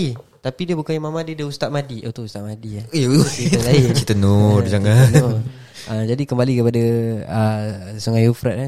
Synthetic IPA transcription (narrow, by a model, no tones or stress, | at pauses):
it̪apidiəbukajimamadiədəust̪at̪̚madiʔət̪uust̪aʔ̪̚madiaiəlaiit̪ənʊrd͡ʒaŋan | əd͡ʒadikəmbalikəpadaəsuŋajufɾat̪̚a